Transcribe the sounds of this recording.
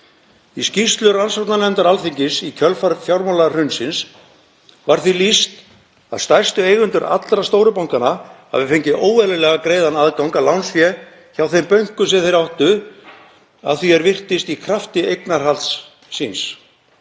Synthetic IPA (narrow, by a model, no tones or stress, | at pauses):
iscist̪lʏransɔt̪nanɛnt̪aɾalθiɲcɪsicʰœlfaɾfjawɾmalar̥ʏɥnsɪns | vaɾ̥θilist̪ | a̰ðst̪ajr̥st̪ʏejɣʏnt̪ʏɾʔa̰t̪lɾast̪oːwɾʏpawŋkanaha̰vɪfejɲcɪʔoːwvɛlɪlɛɣakɾeːjðanaðkawŋkalawnsfjɛ | çawθejmpœɥŋ̥kʏsɛθejɾawht̪ʏ | a̰ðθiɛɾvɪr̥t̪ɪst̪ikʰɾaft̪ɪejknaɾ̥halt̪sː | ins